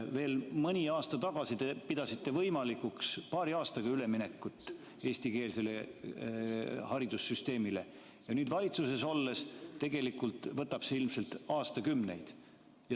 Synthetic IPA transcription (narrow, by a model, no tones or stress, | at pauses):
ve̞ːlmɯnʲiɑːst̪ɑt̪ɑɡ̥ɑsit̪e̞pid̪̥ɑsit̪ːe̞vɤjmɑlikukspɑːɾiɑːst̪ɑɡ̥ɑyle̞mine̞kːˑut̪ːˑ | e̞ːsʲt̪ike̞ːlse̞le̞ | hɑɾid̪̥usːyst̪e̞ːmile̞̰ | jɑnyːd̪̥vɑlʲit̪suse̞so̞lːe̞st̪e̞ɡe̞likːˑult̪vɤt̪ːˑɑb̥seilmse̞lt̪ɑːst̪ɑkymne̞̰jd̪̥ | jɑ